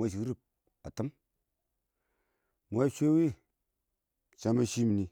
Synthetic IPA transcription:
a˦˨ʃ̬i˨˦ɾi˦p̚ | a̰˨tə˦m | mʷ˨a˦ʃʷe˦wi˦ | t͡ʃa˦ma˦ʃi˦mi˨ni˨

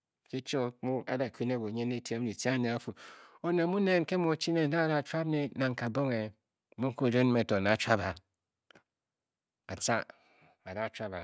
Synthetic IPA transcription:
ke˦t͡ʃo˦mu˦a̰˨da˨kʷi˦ne˦ɡo˨ɲe˦ne˦te˦i˨ti˦a˦ne˨a˦fu˨o˨ne˨mu˦ne˦˨n˦ke˦mu˦˨t͡ʃi˦ne˦˨da˦˨da˨t͡ʃʷa˦bne˦na˨ŋ̩˨ka˨bo˦ŋe˨ | mu˦ŋ̩˦ko˦˨d͡ʒo˦n˦me˨to˨na˨t͡ʃʷa˦ba˨ | a˨t͡ʃa˦ | a˨da˦˨t͡ʃʷa˦ba˨

